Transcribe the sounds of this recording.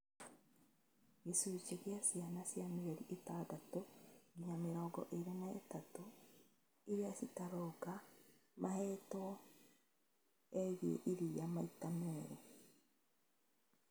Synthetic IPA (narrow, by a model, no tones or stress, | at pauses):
ɡesut͡ʃeɣjasianasjameβeɾiʔetadatoɡiɲameɾɔːɡɔ̰ʔeɾenaḛtato | iɾiasitaɾokamʔahɛtɔ | eɣiḛʔiɾijamaitamɛɾe